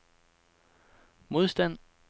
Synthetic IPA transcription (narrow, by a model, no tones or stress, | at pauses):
mo̝ð̞ˠsd̥æn̰